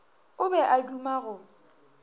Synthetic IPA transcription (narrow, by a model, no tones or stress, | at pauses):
ʊbɛʔadumaɣʊ